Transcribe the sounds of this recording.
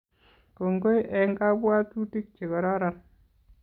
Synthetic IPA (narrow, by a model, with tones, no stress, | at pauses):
ko˨ŋɡo˦jʔɛ˨ŋɡa˦bwa˦tu˦ti˦k̚t͡ʃe˨kɔ˨ɾɔ˦ɾa˦n